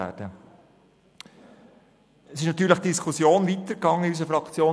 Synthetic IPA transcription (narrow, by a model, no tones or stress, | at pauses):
æ̰ːd̥ə | əsɪʃnɑt̪yːɾləχd̥iskʰusjoːnvit̪əɾkɑŋːəiys̬əfɾɑkt͡sjoː